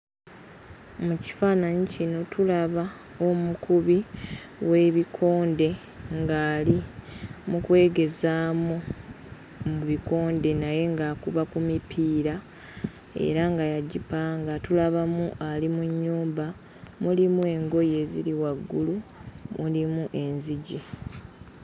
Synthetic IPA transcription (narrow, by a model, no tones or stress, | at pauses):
muci̥faːnaɲicino̞tulaβa | omukuβi | we̞ːβikʰo̞ːnde̞ | ŋɡaːlimukwe̞ːɡe̞zaːmu | muβiko̞ːnde̞naje̞ŋɡaːkuβakumipʰiːɾa | e̞̰ɾaŋɡajaɟipaŋɡatulaβamuʔalimuɲːuːmba | mulimue̞ŋɡo̞je̞ːziɾiwaɡːulumulimuʔe̞nziɟi